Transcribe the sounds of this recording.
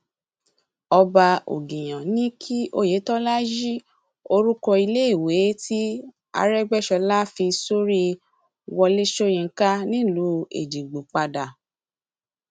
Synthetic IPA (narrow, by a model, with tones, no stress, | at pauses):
ɔ˧ba˧o̰˨ɡĩ˨j̃ã˨nĩ˦kʰi˦ʔo˦je˨˦tɔ˦la˦d͡ʒi˦ | o˧ɾu˦kɔ˧i˧le˦i˦˨we˨˦ti˦ | a̰˧ɾɛ˦ɡ͡bɛ˦˨ʃɔ˧la˦fi˧so˦ɾi˦ | wɔ˧le˦ʃo˦jĩ˧˨˦ka˦nĩ˦lu˨˦ḛ˨d͡ʒi˨ɡ͡bu˨k͡pa˧da˨